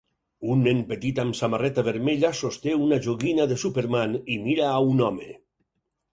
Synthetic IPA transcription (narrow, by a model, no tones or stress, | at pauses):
unːempet̪it̪amsamarɛt̪aβeɾmeʎasost̪eunaʒoɣinaðesupeɾmanimiɾaːunɔme